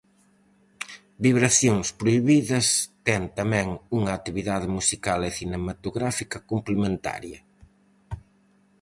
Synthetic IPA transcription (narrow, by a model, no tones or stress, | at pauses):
biβɾaθjoŋspɾoiβiðɐst̪ɛŋt̪amɛ̃ŋuŋɐːt̪iβiðaðɪmusikaleθinemat̪oɣɾafikɐkomplemẽnt̪a̰ɾjɐ